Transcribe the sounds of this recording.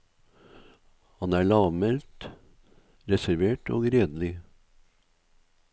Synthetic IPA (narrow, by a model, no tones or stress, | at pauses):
hɑnæːɭɑːʋmɛlt̪ | ɾɛsæɾʋeːʈʰo̰ːɡɾeːd̪lɪ